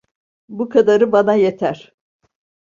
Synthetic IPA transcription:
bukʰad̪aɾɯbanajet̪ʰæɾ̥

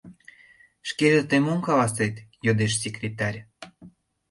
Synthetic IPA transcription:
ʃkeʒət̪emoŋkɑlɑset̪jod̪eʃsʲekrʲet̪ɑrʲ

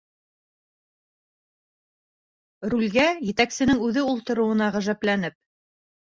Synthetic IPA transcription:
ɾulʲɡæjɘ̆t̪æksɘ̆nɘŋʉðɘulˠt̪ɤ̆ɾŭwɤ̆nɑʁæʒæplænɘp̚

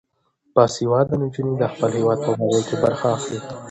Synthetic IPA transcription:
pɑsiwɑd̪ənɪnd͡ʒunid̪əxpəlhewɑd̪̚pəbaɡəjkebaɾxaːxli

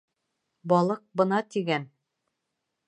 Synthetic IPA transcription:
bɒlˠɤq̚bɤ̆nɑt̪iɡæn

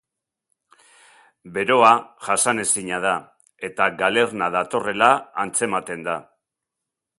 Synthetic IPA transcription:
be̞ɾo̞aʝasane̞siɲað̞a | e̞t̪aɡale̞rnaðat̪o̞re̞laant͡se̞mat̪e̞nd̪a

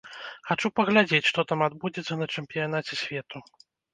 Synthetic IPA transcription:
xat͡ʂupɐɣlʲad͡zʲet͡sʲʂt̪ɔt̪amad̪bud͡zʲɛt̪sːɐnɐt͡ʂɛmʲpʲijan̪at͡sʲɛsʲvʲɛt̪u

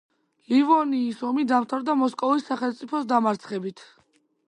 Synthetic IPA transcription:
livɔniːsɔmid̪amt̪ʰaɾd̪amɔskʼɔvisːaχɛlˠmt̪sʼipʰɔsd̪amaɾt̪sʰχɛbit̪ʰ

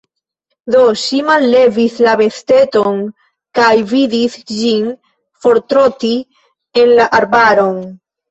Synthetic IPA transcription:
d̪o̞ʃimalːe̞vislabe̞st̪e̞to̞n | kajvidisd͡ʒin | fo̞ɾt̪ɾo̞ti | e̞nlaʔaɾbaɾo̞n

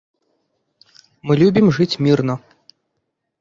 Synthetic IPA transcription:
mɨlʲubʲimʐɨt͡sʲmʲirnɐ

